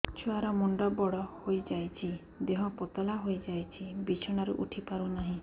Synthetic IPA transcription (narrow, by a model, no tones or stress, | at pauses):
t͡ʃʰuaɾɔmuɳɖɔbɔɽɔhojd͡ʒajt͡ʃʰi | d̪eɦɔ̃pɔt̪ɔlaɦojd͡ʒajt͡ʃʰibit͡ʃʰɔɽ̃aɾuʔuʈʰipaɾunaɦĩ